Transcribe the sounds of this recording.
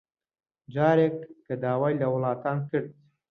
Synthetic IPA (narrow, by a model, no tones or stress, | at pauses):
d͡ʒɑɾekʈkəd̪ɑːwajlawlɑːt̪ɑnkəɽ